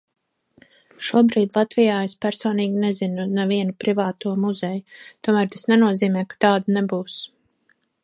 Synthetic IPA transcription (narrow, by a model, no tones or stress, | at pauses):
ʃuɔbɾiːd̪lˠat̪vijaːespæɾsoːniːɡʲinezinunɛviɛnupɾivaːt̪uɔmuzɛjut̪uɔmæɾt̪ḁsnɛnuɔziːmɛjkḁt̪aːd̪unebuːs